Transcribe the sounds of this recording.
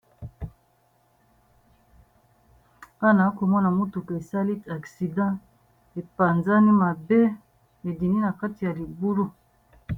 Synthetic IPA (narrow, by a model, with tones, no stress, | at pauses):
a˦na˨˦ko˨mɔ˦na˨mo˦tu˨ke˨e˨sa˦li˦a˨ksi˨dã˦ | e˨pa˨nza˦ni˦ma˨be˦ | e˨di˨ni˦na˨ka˦ti˨ja˨li˨bu˦ɾu˦